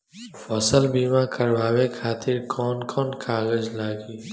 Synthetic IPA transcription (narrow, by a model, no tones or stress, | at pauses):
fɔsəlbiːmãkɐɾʋaːwekʰaːt̪ɪɾkʰɔːnkʰɔːnkʰaːɡəd͡ʒlaːɡiː